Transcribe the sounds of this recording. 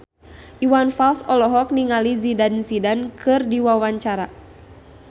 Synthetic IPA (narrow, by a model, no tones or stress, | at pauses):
ʔiwanfalsɔlɔɦɔk̚niŋalizidansidankʰɨrdiwawaɲt͡ʃaɾa